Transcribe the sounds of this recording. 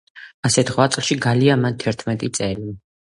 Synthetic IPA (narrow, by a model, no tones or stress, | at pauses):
asɛt̪ʰʁwat̪sʼlˠʃiɡaliamant̪ʰɛɾt̪ʰmɛt̪ʼit̪sʼɛli